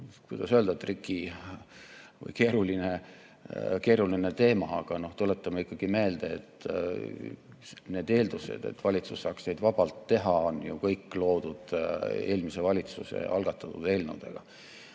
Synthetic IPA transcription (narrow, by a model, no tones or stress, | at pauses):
kujd̪̥ɑsøld̪̥ɑt̪ːrikːˑi | vɤ̰jke̞ːɾuline | ke̞ːɾuline̞t̪e̞ːmɑːɡ̥ɑno̞ht̪ule̞t̪ːˑɑmeikːˑɑɡ̥ime̞ːld̪̥eet̪ːˑ | ne̞ːd̪e̞ːld̪usḛd̪̥e̞̰t̪ːvɑlʲit̪susːɑːksne̞jd̪vɑb̥ɑlt̪ːe̞ɦɑonjukɤjkːˑlo̞ːd̪̥ud̪̥e̞ːlmise̞vɑlʲit̪suse̞̰ɑlɡ̥ɑt̪ːˑɑt̪ːud̪e̞lnṵwd̪̥ḛɡ̥ɑ̰